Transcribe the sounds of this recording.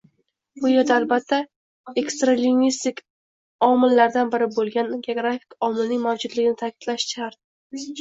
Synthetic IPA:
b̥ʊjaɾd̪aːlbat̪ʰːa | e̞kst̪ɾalinːist̪ɪkʲ | ɒmɪlːaɾd̪anbɪɾɪbolˠɡʲanɡʲeoɡɾafɪ̥kɒmɪlnɪŋmawd͡ʒʊd̪lɪɡʲɪnɪt̪ʰakʲʰɪ̥d̪̥laʃt͡ʃʰaɾt̪̚

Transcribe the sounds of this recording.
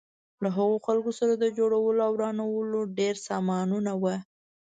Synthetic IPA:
laɦaɣoxalkosaɾad̪əd͡ʒoɽawəloawɾɑnawəloɖeɾsɑmɑnunawa

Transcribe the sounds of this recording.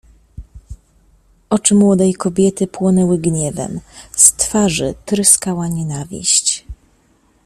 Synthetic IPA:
ɔt͡ʂɘmwɔd̪ɛjkɔbʲjɛt̪ɘpwɔnɛwɘɡɲɛvɛ̰mst̪faʐɘt̪ɾɘskawaɲɛnavʲḭɕt͡ɕ

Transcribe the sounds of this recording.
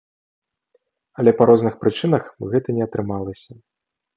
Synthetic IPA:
ɐlʲɛpɐɾɔznɨxpɾɨt͡ʂɨnɐxɣɛt̪ɐnʲɛɐt̪ɾɨmalˠɐsʲɐ

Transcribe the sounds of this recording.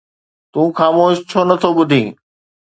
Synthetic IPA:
t̪ũːxaːmoːʃt͡ɕʰonɐt̪ʰobʊd̪ʱĩː

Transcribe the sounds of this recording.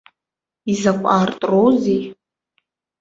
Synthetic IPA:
izakʷʼartʼrowzej

